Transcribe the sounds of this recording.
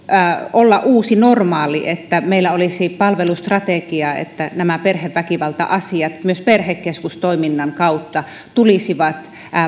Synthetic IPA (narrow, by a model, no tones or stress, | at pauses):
olːɑʔʔuːsinormɑːliʔet̪ːæmeilːæolisipɑlʋelust̪rɑt̪ekiɑḛt̪ːænæmæperheʋːækiʋɑlt̪ɑ̰ʔɑsiɑt̪myøsperhekːeskust̪oiminːɑŋkɑut̪ːɑ | t̪ulisiʋɑt̪